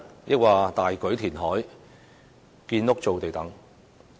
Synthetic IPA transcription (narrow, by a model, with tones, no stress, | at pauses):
jɪ˥k̚waː˨t̪aː˨jkɵ˨˥ɥt̪ʰiː˨˩nɦɔː˨˥j | kiː˧nlʊ˥k̚t͡so˨wt̪e˨jt̪ɐ˨˥ŋ